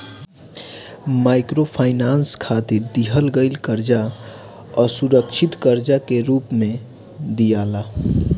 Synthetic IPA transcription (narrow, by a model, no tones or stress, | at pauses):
maɪkɾopʰaːɪnaːnskʰat̪iɾd̪iɦəlɡəɪlkəɾd͡ʒa | ɔːɾsuɾəkʃʰɪt̪kəɾd͡ʒakeɾuːpmẽ | d̪ijala